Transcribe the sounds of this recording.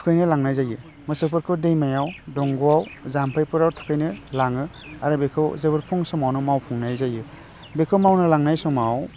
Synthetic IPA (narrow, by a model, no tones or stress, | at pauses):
tʰu̥kʰajnɯlaŋnajzajɯ | mɯsɯpʰɯɾkʰɯdejmajawdɔŋɡuawzampʰajpɯɾawtʰu̥kʰajnɯlaŋɯ | aɾɯbekʰɯwzebɯɾpʰɔŋsɔmawnɔmawpʰuŋnajzajɯ | bekʰɯwmawnɯlaŋnajsɔmaw